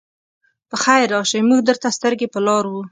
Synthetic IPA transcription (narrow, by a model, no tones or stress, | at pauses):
pəxajɾɑʃəjmuɡ̚d̪əɾt̪ast̪əɾɡepəlɑɾwu